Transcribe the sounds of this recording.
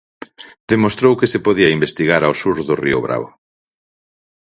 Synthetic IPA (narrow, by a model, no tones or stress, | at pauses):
d̪emost̪ɾowkesepoðiɐimbest̪iɣaɾawsuɾðʊrio̰βɾa̰βʊ